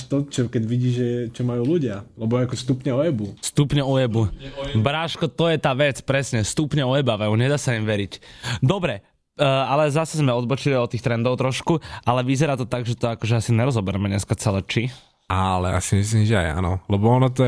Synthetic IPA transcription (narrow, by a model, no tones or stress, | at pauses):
t̪ɔt͡ʃɔkɛɟʋiɟiːʒɛt͡ʃɔmajuːluɟɪalɛbɔakɔst̪upɲɛɔjɛbust̪upɲɛɔjɛbubɾaʃkɔt̪ɔjɛt̪aːʋɛt͡spɾɛsɲɛst̪upɲɛɔjɛbaʋɛuɲɛd̪aːsaimʋɛɾicd̪ɔbɾɛ | alɛzasɛzmɛɔd̪bɔt͡ʃiliɔt̪ːiːxt̪ɾɛnd̪ɔʊt̪ɾɔʃkuʔalɛʋizɛɾaːt̪ɔt̪aɡʒɛt̪ɔakɔʒɛasiɲɛɾɔzɔbɛɾɛmɛɲɛskat͡sɛlɛt͡ʃi | alɛ̰a̰simis̬limʒɛa̰ja̰nɔ̰lɛbɔɔnɔt̪̬ɔ